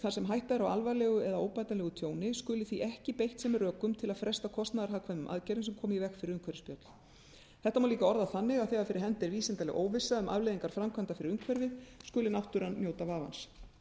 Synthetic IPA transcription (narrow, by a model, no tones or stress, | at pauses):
θasɛmɦajht̪aðɪɾawa̰lvalɛɣʏɛðaoːwpajt̪anlɛɣʏt̪ʰjoːwnɪskʏːlɪθiʔɛhcɪpejht̪sɛmɪrœːkʏmt̪ʰɪlaðfɾɛst̪akʰɔst̪naðaɾ̥ɦaːkʰvanʏmʔa̰ðcɛɾɪnsɛmkʰɔːmivɛxkfɪɾɪɾʏŋkʰvɛɾvɪspjœt̪l̥ | θɛht̪amawliːkaɔɾðaθanːɪɣaðθɛɣaɾfɪɾɪɾ̥ɦɛnt̪ɛɾviːsɛnt̪alɛ̰ɣʔo̰ːwvɪsːaʏmʔa̰vlejðiŋkaɾ̥fɾamkʰvant̪afɪɾɪɾʏŋkʰvɛɾvɪskʏːlɪnawht̪ʏɾanːjoːwt̪avaːva̰ns